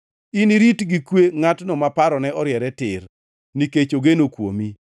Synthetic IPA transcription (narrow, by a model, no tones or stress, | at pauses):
iniɾitɡikweŋatnɔmapaɾɔnɛɔɾjɛɾɛtɪr | niket͡ʃoɡenokwo̰mi